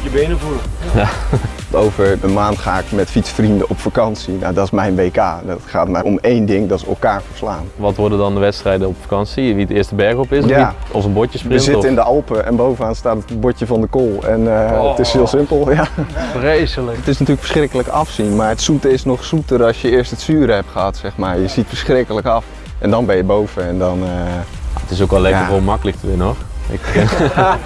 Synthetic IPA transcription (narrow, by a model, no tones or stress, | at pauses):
jəbejnəvuləja | towvəɹənmaːntχa̰ːɪkmɛtfitsfrindəʔɔpfakɑnsina̰wdɑtɪsmɛjnʋejka̰ːdtχaːt̚mɛɔmejndɪŋdɑtsə̰lˠkaːɹvəɹslaːnʋɑtʋɔɹdədɑndəʋɛtstrɛjdəɔpfakɑnsiʋitɪɹstəbɛɹχɔpɪsjaɔfənbɔtəsprəzɪəɪndəɑlˠpəʔɛ̰nbowvənaːnstaːtətbɔcəvɑndəkoːlˠɛnəətɪshɪːlˠsɪmpəlˠjafrejsələətɪsnatyːlkfə̥ɹsχrɪkələkɑfsinmaːɹətsutəɪsnɔχsutərɑsjəɪəstətsyːɾəɦɛptχəɦɑtsɛxmaːɹjəzitfəɹsχrɪkələkɑf | ʔɛndɔnbɛjəbowv̥əɛndɔnəa̰ətɪsokɔlɛkəomɑkələk̚təʋɪnənoxɪ̰k